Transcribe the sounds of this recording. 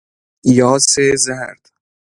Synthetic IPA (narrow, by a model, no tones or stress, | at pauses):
jɒːsezæɾd̪̥